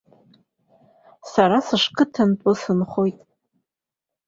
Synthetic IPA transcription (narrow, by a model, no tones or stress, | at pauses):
saɾasɨʂkʰʼɨtʰanpʷʼʊsɨnχojtʼ